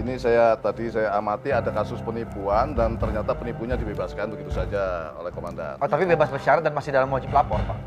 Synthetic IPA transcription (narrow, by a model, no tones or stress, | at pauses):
inisajat̪adisajaːmat̪iadakasʊspənipuandant̪ərɲat̪apənipuɲadibebaskanbəɡit̪usad͡ʒao̰lɛhkomanda̰not̪apibebasbərʃaɾat̪̚danmasɪdalamɔt͡ʃiplapɔrpaʔ